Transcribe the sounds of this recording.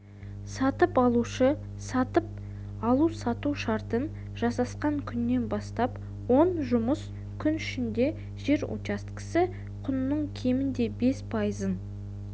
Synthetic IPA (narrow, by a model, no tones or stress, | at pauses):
sɑt̪əpɑlˠuʃə | sɑt̪əp̚ | ɑlˠusɑt̪uʃɑɾt̪ən | ʒ̥ɑsɑsqɑɴkʲʰʏnːe̞nbɑst̪ɑp | wonʒʊməs | kʲʰʏnʏʃɪnd̪e̞ | ʒ̥e̞ɾo̰t͡ʃɑst̪qə̥sɪ | qʰʊnnəɴkʲʰe̞mɪnd̪e̞be̞spʰɑjəzən